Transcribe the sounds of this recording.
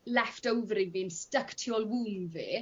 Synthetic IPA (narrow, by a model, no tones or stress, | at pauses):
lɛftəwvɾɪvinstəktʰiɔlˠwumve